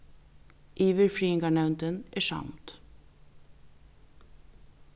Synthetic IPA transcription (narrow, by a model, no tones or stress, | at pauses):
ʔiːʋəɹfɹiːɪŋɡɑɳæʉnt̪ənʔæːʃɑ̰mt̪